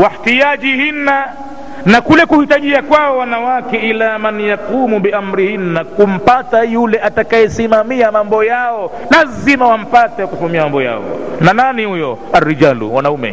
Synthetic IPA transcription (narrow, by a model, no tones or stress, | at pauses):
wahtiaʄihina | nakulɛkuhitaʄiakwaɔwanawakɛilamanijakumuɓiam̩ɾihinːakum̩patajulɛʔatakajɛsimamiamambɔjaɔ | lazimawam̩patɛwkusimamiamambɔja̰ɔ̰nananihujɔarːiʄalṵwanaumɛ̰